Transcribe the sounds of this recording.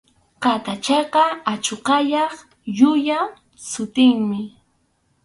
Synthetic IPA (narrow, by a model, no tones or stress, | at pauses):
qat̪at͡ʃɑqɑat͡ʃoqɑjɑχ | jʊja | sʊt̪ɪŋmɪ